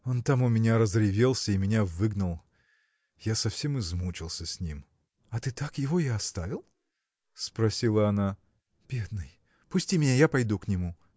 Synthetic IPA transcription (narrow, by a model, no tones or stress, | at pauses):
o̞nt̪amʊmʲɪnʲaɾəzɾʲɪvʲelˠsʲəimʲɪnʲavɨɡnəlˠ | jasɐfsʲe̞mɨzmut͡ɕɪlˠsʲəsʲnʲim | ɐt̪ɨt̪akjɪvojaɐst̪avʲɪlˠ | spɾɐsʲilˠəɐna | b̥ʲe̞d̪̚nɨj | pʊsʲtʲimʲɪnʲajapɐjd̪uknʲɪmu